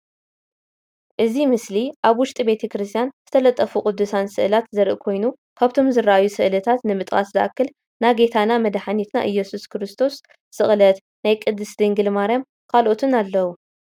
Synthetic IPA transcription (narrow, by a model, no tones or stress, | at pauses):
ʔɨzimɨsliʔaβwʊʃt̪ʼibe̞t̪ʰɐkɾɨst̪ʰjanz̥ɨt̪ʰɐlɐt̪ʼːɐfukʼʊd̪ːusansɨʔɨlat̪zɐɾʔɨ̰kʰo̞jnu | kʰaβt̪ʰo̞mzɨrːaʔajːusɨʔlɐt̪ʰat̪nɨmɨt̪ʼkʼa̰szɨʔa̰kːɨl | naɡe̞t̪ʰanamɐd̪ħanit̪na̰ʔɨjːɛsuskʰɨɾɨst̪ʰo̞s | sɨχʼlɐt̪ | najkʼɨd̪ːɨsd̪ɨŋɡɨlmaɾjam | kʰalʔo̞t̪ʰɨnalːɐwu